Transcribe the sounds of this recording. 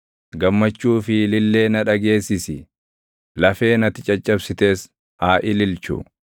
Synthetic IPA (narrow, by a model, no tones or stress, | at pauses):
ɡɐmːɐt͡ʃːuːfɪlɪlːe̞ːnɐᶑɐɡe̞ːsːɪsɪ | lɐfe̞ːnɐt̪ɪt͡ʃʼɐt͡ʃʼːɐbsɪt̪e̞ːs | aːʔɪlɪlt͡ʃʊ̰